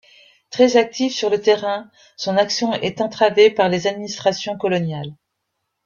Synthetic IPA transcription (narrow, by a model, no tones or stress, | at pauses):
t̪χɛzak̚t̪ifsyʁlət̪eʁɛ̃ | sɔ̃naksjɔ̃ʔɛt̪ɑ̃t̪χavepaʁlezad̪minist̪χasjɔ̃kɔlɔnjal